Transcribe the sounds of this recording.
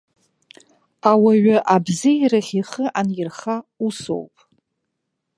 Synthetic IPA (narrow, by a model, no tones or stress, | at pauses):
awaɥaʔabzijraχʲiχəʔanjɪrχauso̰wpʼ